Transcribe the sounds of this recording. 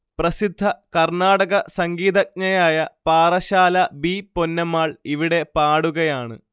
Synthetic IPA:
prɐsid̪ʱːɐkɐrɳaːɽɐɣɐsɐŋɡiːðɐk̚ɲɐjaːjɐpaːrɐɕaːlɐbipo̞nːɐmaːɭiʋiɽe̞paːɽuɣɐjaːɳɨ̰

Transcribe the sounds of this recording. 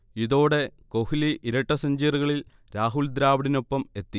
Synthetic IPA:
iðo̞ːɽe̞ko̞hiliʔiɾɐʈːɐsɐɲd͡ʑiːruɣɐɭil | ɾaːɦuld̪ɾaːʋɐɽino̞pːɐme̞t̪ːi

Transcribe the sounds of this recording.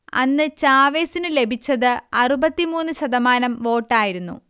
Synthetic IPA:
ɐ̰nːɨt͡ɕaːʋeːsinɨle̞bʱit͡ɕːɐðɨɐrubɐt̪ːimuːnːɨɕɐd̪ɐmaːnɐmʋo̞ːʈːaːjiɾunːṵ

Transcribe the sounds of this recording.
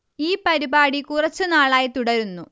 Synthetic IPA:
iːpɐɾibaːɽikurɐt͡ɕːɨnaːɭaːjɐt̪uɽɐɾunːu

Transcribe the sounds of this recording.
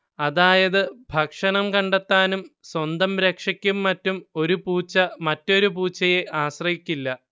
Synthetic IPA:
ɐðaːjɐðɨbʱɐkʂɐnɐmkɐɳɖet̪ːaːnumswɐnd̪ɐmɾekʂɐkʲːumːɐtːumo̞ɾupuːt͡ɕːɐmɐtːo̞ɾupuːt͡ɕːɐjeʔaːɕrɐhikʲːilːɐ

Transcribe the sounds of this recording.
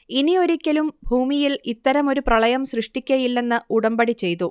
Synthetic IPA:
inio̞ɾikʲːɐlumbʱuːmijilit̪ːɐɾɐmo̞ɾuprɐɭɐjɐmsrɨʂʈikʲːɐjilːe̞nːɨuɽɐmbɐɽit͡ɕːe̞jt̪u

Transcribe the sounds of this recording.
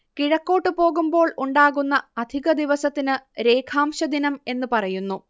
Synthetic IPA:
kiɻɐkːo̞ːʈːɨpo̞ːɣumbo̞ːɭuɳɖaːɣunːɐɐd̪ʱiɣɐd̪iʋɐsɐt̪ːinɨɾe̞ːkʰaːmɕɐd̪inɐme̞nːɨpɐrɐjunːu

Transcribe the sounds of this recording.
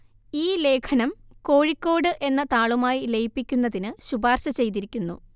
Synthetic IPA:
iːle̞ːkʰɐnɐmko̞ːɻikːo̞ːɽɨʔe̞nːɐt̪aːɭumaːjile̞jpːikʲːunːɐðinɨɕubaːrɕɐt͡ɕe̞jt̪̬iɾikʲːunːṵ

